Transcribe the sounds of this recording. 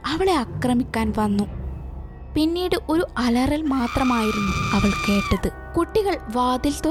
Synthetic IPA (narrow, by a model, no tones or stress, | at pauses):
ɐʋiɭe̞ɐkrɐmikʲːaːnʋɐnːu | pinːiːɽɨʔo̞ɾuɐlɐrɐlmaːt̪rɐmaːjiɾunːuɐʋɐɭke̞ːʈːɐðɨ | kuʈːiɣɐɭʋaːd̪ilt̪o